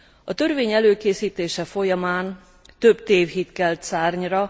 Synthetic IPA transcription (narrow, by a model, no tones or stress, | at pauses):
ɒt̪ø̞rveːɲɛløːkeːsiːt̪eːʃɛfo̞jɒmaːn | t̪ø̞bt̪eːvɦit̪kɛlt̪saːrɲrɒ